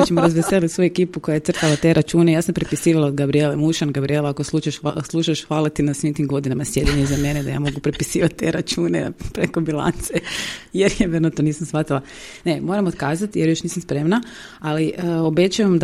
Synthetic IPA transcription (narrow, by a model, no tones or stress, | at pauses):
t͡ʃemoɾazʋeselit̪sojuekiːpuko̞jaje̞t̪sr̩t̪alat̪e̞ɾʔat͡ʃuːnejaːsampɾepisiːʋalˠaod̪ɡabɾielemuʃanɡabɾielˠaakosluʃaʃslˠuːʃaʃxʋalat̪inasʋimt̪iːmɡo̞d̪inamasje̞d̪eɲezame̞ned̪a̰ja̰mo̞ɡupɾepisiːʋat̪̚t̪ːeɾat͡ʃuːnḛpɾekobilˠa̰nt̪sejeɾjeʋeɾnut̪oniːsamsʋat̪ilˠa | ne̞mo̞ːɾamot̪kaːzat̪jeɾjo̞ʃniːsamspɾe̞mna | aliəobe̞t͡ʃujamd̪